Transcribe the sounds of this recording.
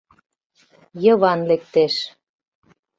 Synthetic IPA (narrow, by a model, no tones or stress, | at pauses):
jɤβɑnlek̚t̪eʃ